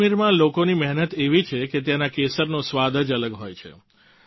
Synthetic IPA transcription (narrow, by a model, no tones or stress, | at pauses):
miɾmãlokonimɛɦnət̪eʋit͡ʃʰeket̪janakesəɾnosʋad̪əd͡ʒələɡɦojt͡ʃʰḛ